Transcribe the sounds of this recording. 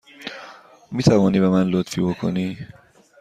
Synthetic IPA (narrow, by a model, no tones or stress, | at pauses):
miːt̪ʰævɒːniːbemænlot̪fiːbokʰo̞̰niː